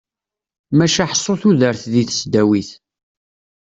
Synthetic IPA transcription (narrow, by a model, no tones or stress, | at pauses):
mæʃaħə̥sˤːoθuðəɾθðiθə̥sd̪æwiθ